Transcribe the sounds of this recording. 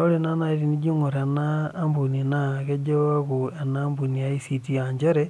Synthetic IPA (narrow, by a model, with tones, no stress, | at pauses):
o˦lina˦na˦i˦ɾi˦ni˦d͡ʒi˦ŋo˨ɾe˨naː˦mbu˨nina˨ɣe˦d͡ʒo˦a˦ɣue˨na˦mbu˨ni˨a˦i˦si˦tiaɲd͡ʒe˦ɾe